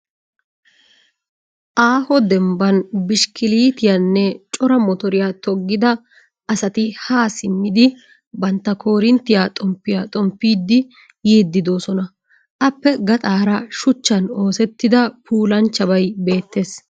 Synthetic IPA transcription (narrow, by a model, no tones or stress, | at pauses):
ʔaːhɔd̪ɛmbɐnbɪʃkɪliːt̪ɪjɐnːɛt͡ʃʼɔɾɐmɔt̪ɔɾɪjat̪ɔɡːɪd̪ɐ | ʔɐsɐt̪ɪhaːsɪmːɪd̪ɪ | bɐnt̪ːɐkʰo̞ːɾɪnt̪ːɪjaːt̪ʼɔmpːɪjaːt̪ʼɔmpːiːd̪ːɪ | jeːd̪ːɪd̪o̞ːsɔnɐ | ʔɐpːɛɡɐt̪ʼaːɾɐʃʊt͡ʃːɐno̞ːsɛt̪ːɪd̪ɐpʰuːlɐnt͡ʃːɐbɐjbe̞ːt̪ːe̞ːs